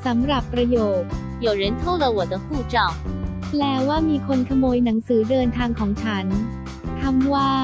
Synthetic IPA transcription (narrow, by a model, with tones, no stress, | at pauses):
sa˩˦mɾa˨˩pːɾa˧joː˨˩t̪̚ | jo˨˩ɾe˨˦nt̪ʰo˥˩lə˧wɔ˨˩d̪ə˧huː˥˩t͡ɕɔ˨˩w | plɛː˦˥waː˥˩miː˧kʰo˧nkʰa˧moː˧jna˩˦ŋsɯː˩˦dɤː˧nt̪ʰaː˧ŋkʰɔː˩˦ŋt͡ɕʰa˦˥n | t̪ʰa˧˥mwaː˥˩